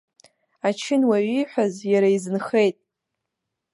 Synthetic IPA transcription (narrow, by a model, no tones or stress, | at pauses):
at͡ʃʰɪnwaɥiħʷᶣazjaɾaizɨnχe̞jtʼ